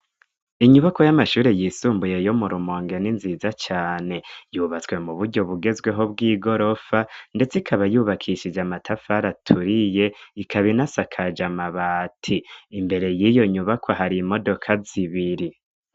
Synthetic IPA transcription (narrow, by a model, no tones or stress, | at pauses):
iɲuβakojamaʃuːɾejiːsuːmbuje̞jo̞muɾumo̞ːŋɡe̞ninziːzat͡ʃaːne̞juːβat͡swe̞muβuɾɟo̞βuɡe̞zɡwe̞ɦo̞bɡiːɡo̞ɾo̞fande̞t͡sikʰaβajuːβakʰiʃid͡ʒamatʰafaɾatʰuɾije̞ikʰaβinasakʰad͡ʒamaβaːtʰiːmbe̞ɾe̞jijo̞ɲuβakʰoɦaɾimo̞do̞kʰaziβiɾi